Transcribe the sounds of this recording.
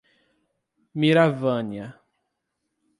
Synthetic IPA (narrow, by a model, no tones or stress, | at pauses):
miɾavɐ̃njɐ